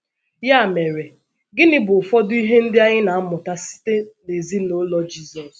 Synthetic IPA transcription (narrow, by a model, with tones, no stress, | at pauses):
ja˦˨me˨ɾe˨ | ɡɪ˦nɪ˦bʊ˨fɔ˦dʊ˦i˦ɦe˦n̩˦dɪ˦a˦ɲɪ˦na˨a˦mʊ˨ta˦si̥˦te˦ne˨zi˦no˦lɔ˦d͡ʒi˦zɔ˨s